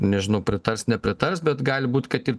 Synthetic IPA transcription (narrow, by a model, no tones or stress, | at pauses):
nʲɛʒʲɪnɐʊpʲɾʲɪt̪ɐɾsnʲɛpʲɾʲɪt̪ɐɾsbʲɛt̪ɡɑːlʲɪbuːt̪ʲkɐt̪ɪr